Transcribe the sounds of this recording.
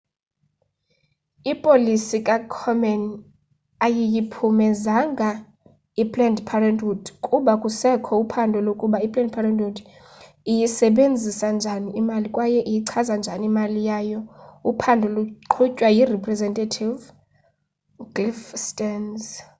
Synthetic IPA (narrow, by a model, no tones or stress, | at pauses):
ipʼolisikʼakʰɔmɛn | ajijipʰumɛzaŋɡʱa | ipʼlɛndpʰarandʱudkʼuɓakʼusɛkʰɔupʰandʱɔlokʼuɓaipʼlɛnd̚pʰarɛndudʰ | ijisɛɓend͡zʱisand͡ʒʱaniimalikʼwajɛʔijiǀʰazand͡ʒʱanimalijajɔupʰandʱɔluǃʰucʼwajirɛpʰʼrɛzɛntʼatʰiv | ɡlifstʼɛnz